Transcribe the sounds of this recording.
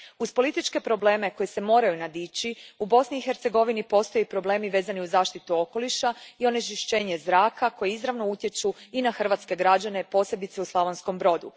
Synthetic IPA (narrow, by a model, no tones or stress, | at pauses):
uzpo̞lit̪it͡ʃke̞pɾo̞ble̞ːme̞ko̞jese̞mo̞ːɾajunad̪iːt͡ʃiubo̞sniːxeɾt̪se̞ɡo̞ʋinipo̞st̪o̞jepɾo̞ble̞ːmiʋe̞ːzaniuzaːʃt̪it̪uo̞ko̞liʃaio̞net͡ʃiʃt͡ʃe̞ːɲe̞zɾaːkako̞jeizɾaʋno̞ut̪je̞t͡ʃuinaxr̩ʋat̪ske̞ɡɾad͡ʑane̞po̞ːse̞bit̪seuslˠaʋonsko̞mbɾo̞d̪ṵ